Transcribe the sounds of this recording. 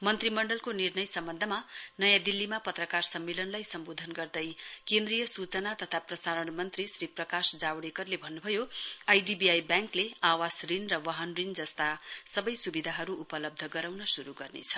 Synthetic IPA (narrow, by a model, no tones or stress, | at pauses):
mʌnt̪rimʌɳɖʌlkonirnʌjsʌmbʌnd̪ʱʌmanʌjãd̪ilːimapʌt̪rʌkarsʌmːelʌnlajsʌmbod̪ʱʌnɡʌrd̪ʌjkẽnd̪rijʌsut͡sʌnat̪ʌt̪ʰaprʌsaɾʌɳmʌnt̪risriprʌkasd͡zawɽekʌrlebʱʌnːubʱʌjoajɖibiajbãŋkleawasrinrʌwʌɦʌnrind͡zʌst̪asʌbʌjsubid̪ʱaɦʌɾuʔupʌlʌb̚d̪ʱʌɡʌɾawnʌsuɾuɡʌrnḛt͡sʰʌ̥